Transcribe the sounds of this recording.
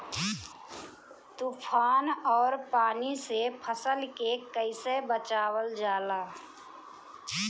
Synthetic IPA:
t̪uːpʰaːnɔːɾpaːnisepʰəsəlkekəɪsebət͡ʃaːwəld͡ʒaːlaː

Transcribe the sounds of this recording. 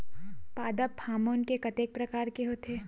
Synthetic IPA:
paːd̪əphaːmoːnkekɐt̪eːk̚pɾɐkaːɾkeɦoːt̪ʰeː

